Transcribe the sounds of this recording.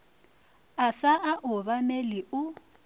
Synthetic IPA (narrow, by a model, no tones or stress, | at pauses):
asaʔaʔʊβamelɪʊ